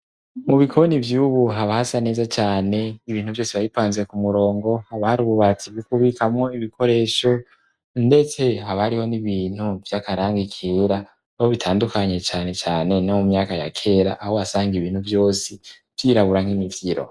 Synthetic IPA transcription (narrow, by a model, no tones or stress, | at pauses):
muβikʰo̞nivjuːβuɦaβahasane̞ːzat͡ʃaːne̞iβiːnhuvjo̞ːseβajipaːnzwe̞kumuɾo̞ːŋɡo̞haβahaɾuːβuβat͡siɡukuβikamŋo̞iβikʰo̞ɾe̞ːʃo̞ | nde̞t͡se̞ɦaβahaɾiho̞niβiːn̥huvjakaɾaːŋɡikʰiɾa | oβitʰaːndukaɲe̞t͡ʃaːne̞t͡ʃaːne̞namumɲaːkaja̰kʰe̞ɾaʔahowasaːŋɡiβiːn̥huvjo̞ːsi | vjiːɾaβuɾaŋ̥imivjiɾo̞̰